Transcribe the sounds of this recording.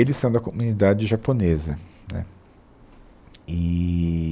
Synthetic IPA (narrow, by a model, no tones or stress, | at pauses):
elɪsɐ̃w̃d̪ɐkomunid̪ad͡ʒɪʒaponezɐnɛ̰ | ɪ